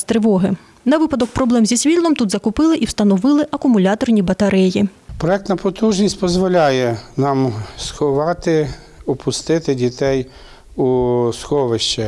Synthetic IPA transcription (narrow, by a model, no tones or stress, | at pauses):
t̪ɾɪʋɔɦɪ | nɐʋɪpɐd̪ɔk̚pɾɔblˠɛmzʲisʲʋʲilʲˠɔmt̪ud̪zɐkʊpɪlˠɪʔiwst̪ɐnɔʋɪlˠɪʔɐkʊmʊlʲɑt̪ɔrnʲibɐt̪ɐɾɛjipɾɔɛk̚t̪nɐpɔt̪uʒnʲisʲtʲpɔzʋɔlʲajɛnɑmsxɔʋɑt̪ɪ | ɔpʰʊst̪ɪt̪ɪdʲit̪ɛj | usxɔʋɪʃt͡ʃɛ